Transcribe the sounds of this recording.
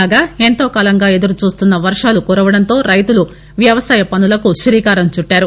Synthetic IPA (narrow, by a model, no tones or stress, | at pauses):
aːɡaːent̪oːkaːlɐŋɡaːe̞d̪uɾut͡ʃuːst̪unːɐʋɐɾʂaːlukuːɾɐʋɐɽɐnt̪o̞ːɾɐjt̪ulu | ʋjɐʋɐsaːjɐpɐnulɐkuʃɾiːkaːɾɐmt͡ʃuʈːaːɾu